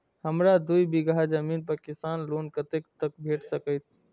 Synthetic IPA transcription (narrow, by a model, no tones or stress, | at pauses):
həmɾad̪uibɪɡad͡ʒəmiːnpəkɪst̪aːnloːnkət̪ekt̪ək̚bʱeːʈsəkət̪ʰ